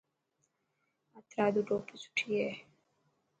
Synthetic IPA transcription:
at̪ɾaːd̪uɖoːpisu̥ʈʰije

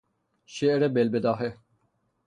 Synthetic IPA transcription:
ʃeɾebelbed̪ɑːɦe

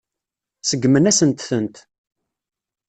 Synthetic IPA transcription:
səɡːmənæsənt̪θənt̪

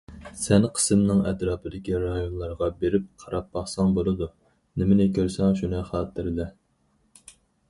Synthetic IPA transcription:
sɛnqʰə̥sɨmnɨŋɛt̪ɾɑːpʰɪd̪ɪkʲiɾɑjonlˠɑɾʁɑbeɾɪp̚qʰɑɾɑpːɑχsɑŋbolˠɨd̪u | nɪmɪnɪkʲʰøɾsɛŋʃunɨχɑːt̪ʰːɪɾɪlɛ

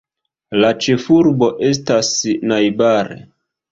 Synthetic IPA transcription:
lat͡ʃe̞fuɾbo̞ʔe̞s̬tasnajbaɾḛ

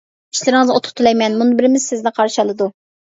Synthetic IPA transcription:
i̥ʃlɪɾɪŋɨzot̪ʰʊ̥p̚t̪ʰːulˠɛjmɛnmunɨbɪɾɪmɪz̥sɪznɪqʰɑɾʃɑlˠɨd̪u

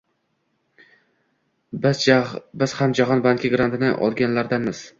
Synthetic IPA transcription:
bɪz̥hamd͡ʒaɦɒnbaŋkʲɪɡɾant̪ʰɪnɪʔɒ̰lˠɡʲanlaɾd̪amɪz̥

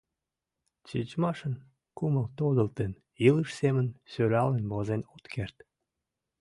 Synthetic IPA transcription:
t͡ɕit͡ɕmɑʃən | kuməlt̪od̪əlt̪en | iləʃsemənsøɾɑlenbozenot̪kʰert̪

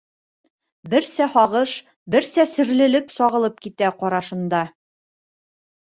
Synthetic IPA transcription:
bɘɾsæhɒʁɤʃ | bɘɾsæsɘ̆ɾlɘ̆lɘpsɒʁɤ̆lˠɤp̚kit̪æqɒɾɑʃɤ̆nd̪ɑ

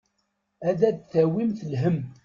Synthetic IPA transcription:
æðæd̪θæwimθəlɦəm

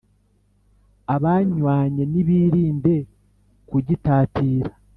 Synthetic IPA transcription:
aβaɲwaːɲe̞niβiːɾiːnde̞ | kuɟitaːtiːɾa

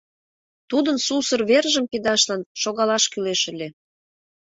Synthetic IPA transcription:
t̪ud̪ənsusə̆rβerʒəmped̪ɑʃlɑnʃoɣɑlɑʃkyleʃə̆lʲe

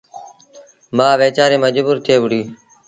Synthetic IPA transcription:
baːʋeːt͡ʃaːɾeːməd͡ʒbuːɾt̪ʰeːʋʊɽiː

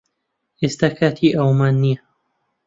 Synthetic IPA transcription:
ʔɪst̪akat̪ʰiʔawmanːiːa

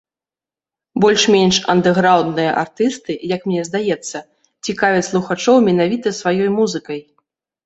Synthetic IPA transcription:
bɔlʲʂmʲenʲʂɐ̰nd̪ɛɣɾawd̪nɨjɐ̰ʔa̰rt̪ɨst̪ɨjɐkmnʲɛzd̪ajɛt̪sːɐ | t͡sʲikavʲɛslˠuxat͡ʂɔwmʲɛnavʲit̪ɐsvajɔjmuzɨkɐj

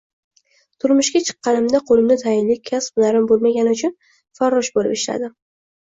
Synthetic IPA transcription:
t̪ʰʊɾmʊʃɡʲat͡ʃʰɨ̥qːɑnɪmd̪aqʰolɪmnɪt̪ʰajɪnlɪkʲkʲʰːaspnaɾɪmbolˠmaɡʲanɪʊt͡ʃʰʊn | faɾːɒʃbolɪ̰pɪʃla̰d̪ɪ

